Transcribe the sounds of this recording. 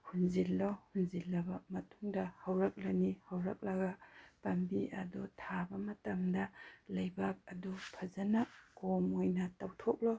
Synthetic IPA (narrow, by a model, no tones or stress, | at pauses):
hunzilːɔhunzilːɐbɐmɐtʰuŋdɐhawɾɐk̚lanihawɾɐk̚lɐɡapɐmbiɐdutʰabɐmɐtamdɐlɐjbak̚ɐdupʰazanakomojnatawtʰok̚lɔ